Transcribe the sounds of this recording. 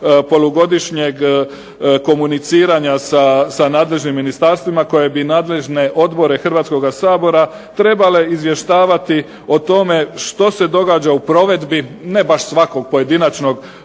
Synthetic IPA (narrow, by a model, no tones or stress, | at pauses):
po̞loɡo̞d̪iʃɲeɡ | ko̞munit̪siːɾaɲasasanaːd̪le̞ʒnimːinist̪aɾst̪ʋimako̞je̞binaːd̪le̞ʒne̞ʔo̞d̪bo̞ɾe̞xr̩ʋat̪sko̞ɡasaːbo̞ɾa | t̪ɾe̞bale̞izʋje̞ʃt̪aːʋat̪i | o̞t̪o̞me̞ʃt̪o̞se̞d̪o̞ɡaːd͡ʑaupɾo̞ʋe̞d̪bine̞baʃsʋako̞ɡ̚po̞je̞d̪inat͡ʃno̞ɡ